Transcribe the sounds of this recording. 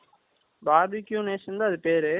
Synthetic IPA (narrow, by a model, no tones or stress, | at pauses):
baːbikːjũːneːsɐnd̪aːɐðɯpeːɾɯ